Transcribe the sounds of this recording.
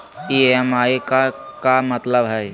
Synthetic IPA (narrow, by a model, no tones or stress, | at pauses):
iːeɛmaːekakamət̪ləbɦɛː